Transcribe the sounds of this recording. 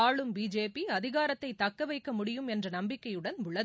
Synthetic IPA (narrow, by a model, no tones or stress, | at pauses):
aːɭɯmbiːd͡ʒeːpiɐðɪɣaːɾɐt̪ːɐɪt̪ːɐkːɐʋɐɪkːɐmʊɽɪjɯmɛndrɐnɐmbɪkːɐjɯɽɐnʊɭɐð